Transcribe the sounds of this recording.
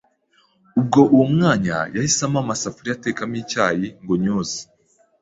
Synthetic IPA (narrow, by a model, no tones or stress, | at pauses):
ub̚ɡo̞ʔuwomŋaːɲa̰jahisamamasafuɾijate̞ːkamiːcaːjiŋɡoɲoːzi̥